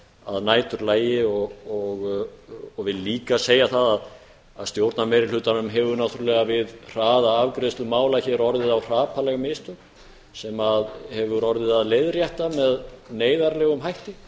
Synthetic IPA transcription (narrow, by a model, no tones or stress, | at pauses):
a̰ðnaːjt̪ʏɾlaːjɪɔɣɔɣ | ɔɣvɪðliːkaseːjaθaðað | aðst̪jowɾt̪namɛɾɪl̥ʏːt̪anʏmɦɛvʏnawt̪ʰʏɾlɛɣavɪðr̥aːðaavkɾest̪lʏmaːwlaçɛɾɔɾðɪðawr̥aːpʰalɛɣamɪːst̪ʏm | sɛmaðhɛvʏɾɔɾðɪðaðleːjðɾjɛht̪amɛðneːjðaɾlɛːɣʏmɦajht̪ɪ